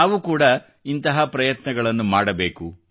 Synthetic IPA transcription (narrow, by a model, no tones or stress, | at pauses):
naːʋukuːɽɐ | int̪ɐɦɐpɾɐjɐt̪nɐɡɐɭɐnːumaːɽɐbe̞ːku